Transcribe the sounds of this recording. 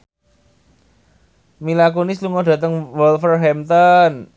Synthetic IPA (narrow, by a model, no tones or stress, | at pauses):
milakonɪsluŋɔɖ̥ä̤t̪əŋwɔlfərɦɛmt̪ɔn